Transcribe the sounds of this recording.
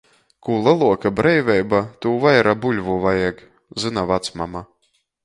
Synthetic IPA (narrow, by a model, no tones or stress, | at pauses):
kuːlˠɨlˠuɔkabɾɛjvʲɛjbat̪uːvajɾabulʲvuvajɛɡ | zɨnavat̪smama